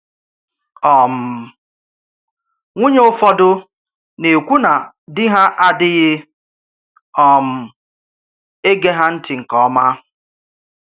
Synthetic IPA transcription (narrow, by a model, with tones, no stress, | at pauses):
ɔ˨m̩˨ | ŋʷu˦ɲe˦o˦fɔ˦dʊ˦ | ne˨kʷu˦na˨ | dɪ˦ɦa˦ʔa˦dɪ˦ɣɪ˦ | ɔ˨m̩˨ | e˦ɡe˦ɦa˦n̩˦tɪ˨ŋ̩˨kɔ˦ma˦